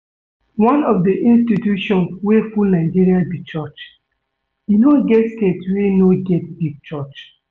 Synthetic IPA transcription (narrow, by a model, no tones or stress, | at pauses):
wãnɔfdiʔĩnstitjuʃɔ̃nswefulnaɪd͡ʒiɾiabit͡ʃɔt͡ʃ | inoɡɛtsketwenoɡɛt̚biɡ̚t͡ʃɔt͡ʃ